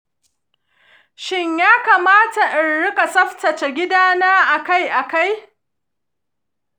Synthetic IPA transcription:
ʃɪ˦ɲjaː˦kaː˨maː˦ta˨ʔɪ˨nɽɪ˦ka˨sɐ˦ɸtɐ˨t͡ʃe˨ɡʲɪ˦daː˦naː˦ʔa˨ka˦jʔa˨ka˦j

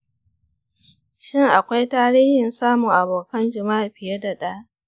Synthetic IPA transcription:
ʃɪ˦ŋʔa˨kʷa˦jtaː˦ɾiː˦hɪ˨nsaː˦mʊ˨ŋʔa˨boː˨kɐ˦nd͡ʒɪ˨ma˦ʔɸɪ˨je˦da˨ɗaː˦ʔ

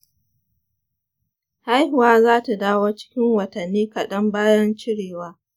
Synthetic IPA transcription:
ha˦jhʊ˨waː˦zaː˦ta˨daː˦woː˦t͡ʃɪ̥˦kʲɪ˦ŋwɐ˨tɐ˨nːiː˦kɐ˨ɗɐ˦mbaː˦jɐ˦nt͡ʃɪ˦ɽeː˨waː˦

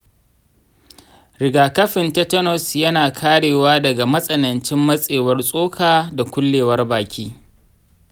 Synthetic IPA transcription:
ɾɪ˨ɡaː˨kɐ˦ɸɪ˨nta˦tɐ˦nɔ˨sjɐ˦naː˨kʰaː˦ɽeː˨waː˦dɐ˨ɡa˨mɐ˦sʼɐ˨nɐ˨nt͡ʃɪ˦mːɐ˦sʼeː˨wɐ˦rsʼoː˦kʰaː˨da˨kʷʊ˦lːeː˨wɐ˦rbaː˨kʲiː˦

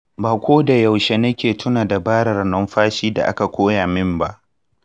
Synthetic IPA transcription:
baː˨kʷoː˦da˨ja˨wʃe˦nɐ˦kʲeː˨tʰʊ˦naː˨da˨baː˦ɽɐ˨rnɔ˦mɸaː˦ʃiː˦da̰˨ʔa̰˦ka˨kʷoː˦jaː˨mɪ˦mba˦ʔ

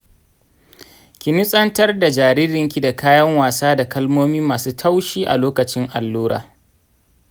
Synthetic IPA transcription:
kʲi˨nɪ˦sʼɐ˦ntɐ˦rda˨d͡ʒaː˨ɾiː˦ɾɪ˨ŋkʲi˦da˨kaː˦jɐ˦ŋwaː˨saː˦da˨kɐ˦lmoː˦miː˦maː˨suː˦tʰa˦wʃiː˦ʔa̰˨loː˦kɐ˨t͡ʃɪ˦ŋʔa˨lːuː˦ɾa̰ː˨

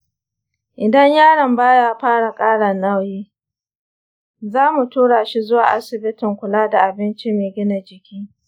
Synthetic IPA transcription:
ʔɪ˨dɐ˦ɲjaː˦ɽɐ˨mbaː˦jaː˦ɸaː˦ɽa˨kʼaː˦ɽɐ˨nɐ˦wjeː˦ | zaː˦mu˨tuː˦ɽaː˨ʃi˦zʊ˦waː˨ʔa˦sɪ˨bɪ˦tɪ˨ŋkʷʊ˨laː˦da˨ʔa˨bɪ˦nt͡ʃi˦meː˨ɡʲɪ˦na˨d͡ʒɪ˨kʲiː˦

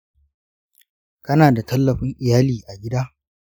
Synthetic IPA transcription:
kɐ˦naː˨da˨tɐ˦lːɐ˨ɸɪ˦ŋʔɪ˨jaː˦liː˨ʔa˨ɡʲɪ˦daː˦

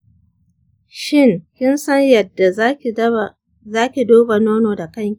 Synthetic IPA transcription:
ʃɪ˦ŋkʲɪ˦nsɐ˦ɲjɐ˨dːa˨˦ | zaː˦kʲi˨doː˦ba˨noː˦noː˨da˨kɐ˦ŋkʲi˨

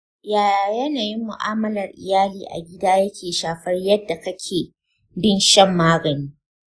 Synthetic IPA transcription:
jaː˦˨ja˨jɐ˦naː˨jɪ˦mːʊ˨ʔa̰ː˦mɐ˦lɐ˨rʔɪ̰˨jaː˦liː˨ʔa̰˨ɡʲɪ˦daː˦jɐ˦kʲʰeː˨ʃaː˨ɸɐ˦rjɐ˦dːa˨kɐ˦kʲʰeː˨ | bɪ˦˨nʃɐ˦mːaː˦ɡɐ˨niː˦

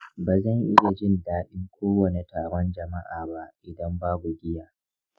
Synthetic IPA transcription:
baː˨zɐ˦˨ŋʔɪ˦ja˨d͡ʒɪ˦˨ndaː˦ɗɪ˦ŋkʷʰoː˦wɐ˨ni˨taː˨ɽɔ˦nd͡ʒɐ˨ma˦ʔaː˨ba˦ʔʔɪ˨dɐ˦mbaː˦bu˨ɡʲɪ˦jaː˨

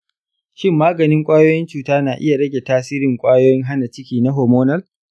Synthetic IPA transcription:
ʃɪ˦mːaː˦ɡɐ˨nɪ˦ŋkʷʼaː˦joː˦jɪ˦nt͡ʃuː˨taː˦naː˨ʔɪ̰˦ja˨ɽɐ˦ɡʲe˨taː˦siː˦ɾɪ˨ŋkʷʼaː˦joː˦jɪ˦ŋɦa˦na˨t͡ʃɪ˦kʲiː˨na˦ɦoː˨moː˦nɐ˦l

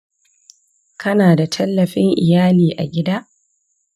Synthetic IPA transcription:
kʰɐ˦naː˨da˨tʰɐ˦lːɐ˨ɸɪ˦ŋʔɪ̰˨jaː˦liː˨ʔa̰˨ɡʲɪ˦daː˦ʔ

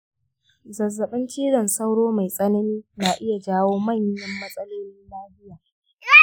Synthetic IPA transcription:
zɐ˨zːɐ˨ɓɪ˦nt͡ʃiː˦ɽɐ˨nsɐ˦wɽoː˦ma˨jsʼɐ˦nɐ˦miː˦naː˨ʔɪ˦ja˨d͡ʒaː˦woː˦mɐ˦˨ɲ˦jɪ˨mːɐ˦sʼɐ˦loː˦ni˦nlaː˦hɪ˦jaː˨

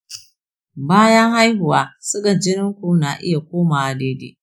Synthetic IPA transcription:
baː˦jɐ˦ŋha˦jɦʊ˨waː˦sʊ˦ɡɐ˨nd͡ʒɪ˦nɪ˦ŋkʷuː˦na˨ʔɪ̰˦ja˨kʷoː˦maː˨ʔa˨deː˦dḛː˦

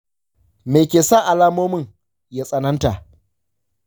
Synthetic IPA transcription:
me˨kʲeː˨saː˦ʔa˨laː˦moː˦mɪ˦˨ŋ | jaː˦sʼɐ˦nɐ˦nta˨ʔ

